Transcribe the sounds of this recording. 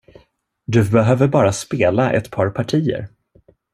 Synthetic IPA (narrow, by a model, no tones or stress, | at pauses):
d̪ɵbɛɦøːvəɾbɑːɾaspeːlaʔɛ̰t̪pʰɑːɾpʰaʈʰiːə̰ɾ